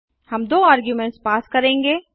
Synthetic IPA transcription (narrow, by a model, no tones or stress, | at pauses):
hɐmd̪oːaːɾɡjumɛ̃ɳʈspaːskɐɾẽːŋɡeː